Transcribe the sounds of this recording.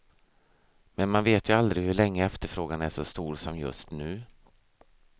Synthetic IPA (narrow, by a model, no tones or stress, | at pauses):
mɛnmanveːt̪ʰjɵald̪ɾɪhɵɭɛŋːəɛft̪əɾfɾoːɡanæʂɔst̪uːɾsɔmjɵ̰st̪nʉ̟ː